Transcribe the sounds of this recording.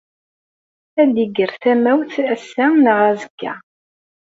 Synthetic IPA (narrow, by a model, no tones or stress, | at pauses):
æliɡəɾθæmæwθæsːænəʁæzəɡːæ̰